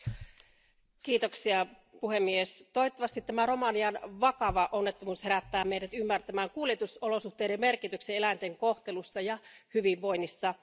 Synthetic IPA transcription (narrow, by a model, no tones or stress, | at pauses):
kiːt̪oksiɑ | puhemːiest̪ojt̪ːɑʋɑst̪it̪ːæmæro̞mɑniɑnʋɑkɑʋɑʔonːet̪ːomuːsheɾæt̪ːæːmeidæt̪ymːært̪æmæːŋkuːlijet̪usolo̞suht̪eːɾemmerkit̪ykseelæint̪eŋkoht̪e̞lusːɑjɑhyʋiʋʋojnːisːɑ